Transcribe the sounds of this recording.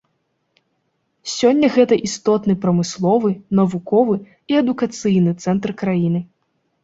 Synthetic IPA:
sʲɔnʲːɐɣɛt̪ɐʔist̪ɔt̪nɨpɾɐmɨslˠɔvɨnɐvukɔvɨ | iɛd̪ukat̪sɨjnɨt̪sɛnt̪rkɾajinɨ

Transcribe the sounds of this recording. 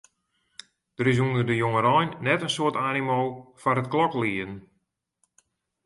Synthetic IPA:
d̥əɾɪs̬unədəjoŋəɾɔjnːɛtənsoətaːnimolˠfarət̚klɔkliən

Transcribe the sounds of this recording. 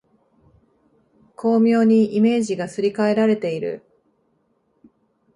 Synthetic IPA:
kʰo̞ːmʲo̞ːɲ̟iʔime̞ːʑiɡasɨɾʲikae̞ɾaɾe̞t̪e̞iɾɯ̟̰

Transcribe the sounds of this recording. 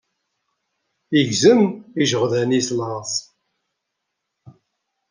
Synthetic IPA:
iʝzəmiʒəʁðænisləs

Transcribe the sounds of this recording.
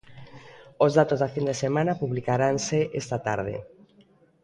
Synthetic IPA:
ozðat̪ozðafind̪esemãnapuβlikaɾanseʔest̪at̪aɾð̞ḛ

